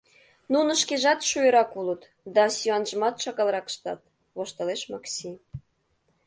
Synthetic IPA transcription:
nunə̆ʃkeʒɑt̪ʃujə̆ɾɑkulət̪ | d̪ɑsʲyɑnʒəmɑt̪ʃɑɣɑlˠɾɑkʃt̪ɑ̰t̪̚ | βoʃt̪ə̆leʃmɑksʲi

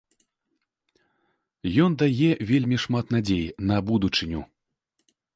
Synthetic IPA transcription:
jɔnd̪ajɛvʲelʲmʲiʂmat̪nad͡zʲejnɐbud̪ut͡ʂɨnʲu

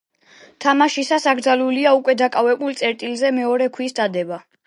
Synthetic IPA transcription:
t̪ʰamaʃisasaɡɾd̪zaluliaukʼwɛd̪akʼavɛbulˠt̪sʼɛɾt̪ʼilzɛmɛɔɾɛkʰwisd̪ad̪ɛba

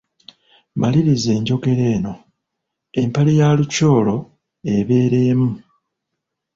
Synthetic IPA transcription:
maliɾize̞ːɲɟo̞ɡe̞ɾe̞ːno̞ | e̞mpalijaluco̞ːlo̞ | e̞βe̞ːɾeːmu

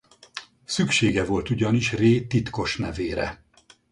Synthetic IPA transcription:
sykʃeːɡɛvo̞lt̪uɟɒniʃreːt̪it̪ko̞ʃnɛveːɾɛ̰

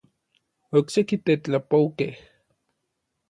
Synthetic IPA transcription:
oksekit̪et͡ɬapowkeh

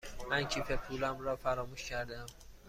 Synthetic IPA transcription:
mæncʰiːpʰepʰuːlæmɾɒːfæɾɒːmuːʃcʰæɾd̪æm

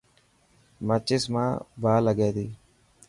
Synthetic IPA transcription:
mət͡ʃːɪsma̰ːbaːləɡeːd̪i

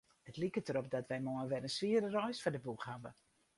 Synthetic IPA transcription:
ətlikətəɾɔp̚dɔtʋɛjmɔənʋɛɾənsʋiədərɔjsfɔdəbukhabə

